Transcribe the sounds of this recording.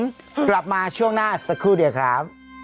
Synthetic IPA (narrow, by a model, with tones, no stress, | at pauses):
m | kla˨˩p̚maː˧t͡ɕʰu˥˩əŋnaː˥˩sa˨˩kʰɾuː˥˩di˧əwkʰɾa˦˥p̚